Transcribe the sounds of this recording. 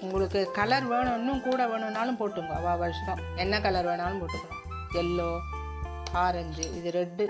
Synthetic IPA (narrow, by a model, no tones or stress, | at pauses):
ʊŋɡɐɭɯkːɯkɐlɐɾʋeːɳɐnːɯ̃mkuːɽɐʋeːɳɯʋnaːlɯ̃mpoːʈːɯŋɡɐɐʋaːʋɐɾɯʂɐt̪ɐ̃ː | ɛnːɐkɐlɐɾʋeːɳaːlɯmpoːʈːɯkːɯ | ɛlːoː | aːɾɐɲd͡ʒɯʔɪðɯɾɛɖːɯ